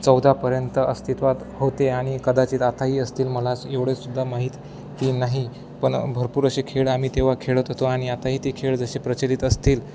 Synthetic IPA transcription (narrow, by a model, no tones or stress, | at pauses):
t͡səwd̪ʱapəɾjənt̪əʔəst̪it̪ʋat̪hot̪eaɽ̃ikəd̪at͡ɕiːt̪at̪aɦiːəst̪iːlməlat͡seʋɽesud̪ʱːamaɦit̪ː | iːnaɦi | pəɳbʱəɾpuːɾəɕekʰeɭam̤iːt̪eʋ̤akʰeɭət̪ɦot̪oaɽ̃iat̪aɦiːt̪ikʰeɭd͡zəɕepɾət͡ɕeɾit̪əst̪iːl